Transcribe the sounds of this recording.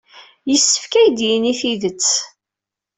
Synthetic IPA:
jəsːə̥fkæjd̪jiniθiðət͡sː

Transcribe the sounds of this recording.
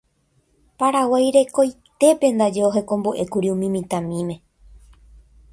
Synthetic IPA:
paɾawajɾe̞ko̞jt̪e̞pe̞nd̪ad͡ʒe̞oɦekõ̞mboʔe̞kuɾiũmĩmĩt̪ãmĩmẽ̞

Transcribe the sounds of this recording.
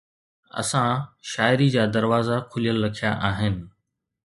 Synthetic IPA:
ɐ̰sãʃaːɪɾid͡ʑaːd̪ɐɾʋaːzakʰʊlijəlːɐkʰijaʔaːɦɪnɪ̆

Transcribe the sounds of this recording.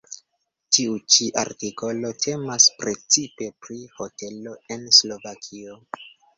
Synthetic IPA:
tiut͡ʃiʔa̰ɾtiko̞lo̞tʰe̞maspɾe̞t͡sipe̞pɾiho̞te̞lo̞e̞nslo̞vakʰio̞

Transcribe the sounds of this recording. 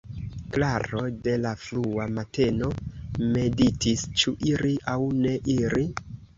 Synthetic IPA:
klaɾo̞de̞lafluamate̞no̞me̞ditist͡ʃuʔiɾiʔawne̞ʔiɾi

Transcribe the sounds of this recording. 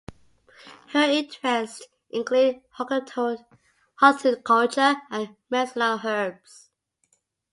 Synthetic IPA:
həĩntʰɹɛst | ʔɪ̃ŋkʰlud̚hɔ | hɔstɪkʰɔlt͡ʃəə̃n | mɛsənəlɦɜbs

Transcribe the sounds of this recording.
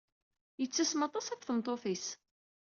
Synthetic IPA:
jət͡sːæsmɑt̪ˤɑsækʷːθəmt̪ˤoθis

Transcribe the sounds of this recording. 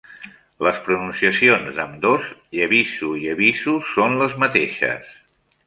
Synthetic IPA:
ləspɾununsiəsionzəmd̪oziəβizuiəβizusːonləzmət̪eʃə̰s

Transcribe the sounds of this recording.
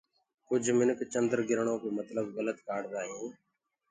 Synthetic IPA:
kʊd͡ʒʱmɪnəkt͡ʃənd̪əɾɡɪɾɳõːkoːmət̪ləbɣələt̪kaːɖd̪aːɦĩː

